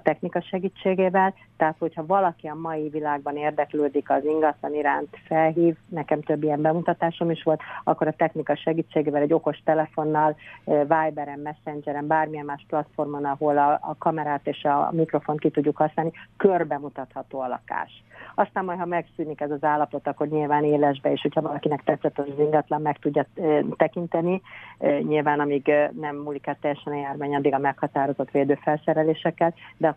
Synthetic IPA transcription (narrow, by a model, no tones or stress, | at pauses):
t̪ɛxnikɒʃɛɡiːt͡ʃːeːɡeːvɛl | t̪ɛɦaːt̪ho̞chɒvɒlɒkiɒmɒjivilaːɡ̚bɒneːrd̪ɛkløːd̪ikɒziŋɡɒt̪lɒniɾaːnt̪fɛlɦiːvnɛkɛmt̪ø̞bːijɛmbɛmut̪ɒt̪aːʃo̞miʃʋo̞lt̪ɒkːoɾɒt̪ɛxnikɒʃɛɡiːt͡ʃːeːɡeːvɛlɛɟːo̞ko̞ʃt̪ɛlɛfo̞nːɒlvaːjbɛɾɛmːɛsːɛnd͡ʒɛɾɛmbaːrmijɛmmaːʃplɒt̪fo̞rmo̞nɒɦo̞lɒ̰kɒmɛɾaːt̪eːʃɒ̰mikro̞fo̞nt̪̚kit̪uɟːukhɒsnaːlnikørbɛmut̪ɒt̪hɒt̪oːɒlɒ̰ka̰ːʃɒst̪aːmmɔj̪hɒmɛksyːnikɛzɒzaːlːɒpo̞t̪ɒkːo̞rɲilvaːneːlɛʒbɛeːʃho̞cʰhɒvɒlɒkinɛkt̪ɛt̪sɛt̪oʃziŋɡɒt̪lɒmːɛkt̪uɟːɒt̪ɛkint̪ɛniɲilvaːnɒmiːɡnɛmːulikaːt̪ːɛjːɛʃɛnɒjaːrvaːɲɒd̪ːiɡɒmɛkhɒt̪aːɾo̞zo̞t̪ʋeːd̪øːfɛlsɛɾɛleːʃɛkːɛld̪ɛɒ